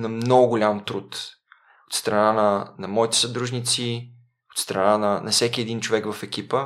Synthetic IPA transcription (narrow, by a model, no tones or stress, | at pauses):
nɐmnɔɡʊɡʊlʲamt̪ɾut̪ | ot̪st̪ɾɐnanɐnɐmɔit̪ɛ̥sɐd̪ɾuʒnit̪si | ot̪st̪ɾɐnanɐnɐfsɛkʲiɛd̪int͡ʃovɛkvɐfɛkipə